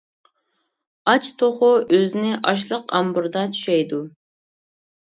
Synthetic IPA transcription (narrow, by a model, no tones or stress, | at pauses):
ɑt͡ʃt̪ʰoχʊʔøzɪnɪʔɑʃ̬lˠəqɑmbʊɾd̪ɑt͡ʃʰy̥ʃɛjd̪u